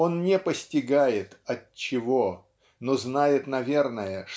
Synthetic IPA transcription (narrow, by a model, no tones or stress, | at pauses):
o̞nnʲɪpəsʲtʲɪɡajɪt̪ɐtt͡ɕːɪvo̞ | noznajɪt̪nɐvʲe̞rnəjəʂ